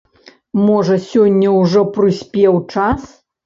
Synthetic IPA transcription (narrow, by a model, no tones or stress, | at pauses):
mɔʐɐsʲɔnʲːɐwʐɔpɾɨsʲpʲɛwt͡ʂas